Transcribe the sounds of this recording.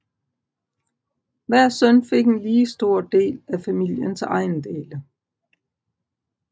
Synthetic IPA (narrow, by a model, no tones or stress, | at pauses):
ʋæɐ̰sœnfe̝ɡ̥e̝nliːsd̥o̝ɐ̰d̥e̝̰ːlæfæmil̰jənsɑ̈ɪnd̥ḛːlə